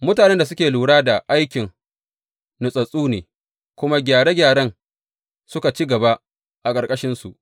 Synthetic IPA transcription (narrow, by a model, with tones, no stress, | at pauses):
mʊ˦taː˨nɛ˦nda˨s̬ʊ˦kʲeː˨luː˨ɽaː˦da˨ʔa˦jkʲɪ˨ŋ | nʊ˨sʼɐ˨sʼuː˦neː˨ | kʷʊ˦ma˦ɡʲaː˨ɽe˦ɡʲaː˨ɽɐ˦ŋ | sʊ˦ka˨t͡ʃi˦ɡɐ˨ba˦ | ʔa˨kʼɐ˨ɾkʼɐ˦ʃɪ˦nsu˨ʔ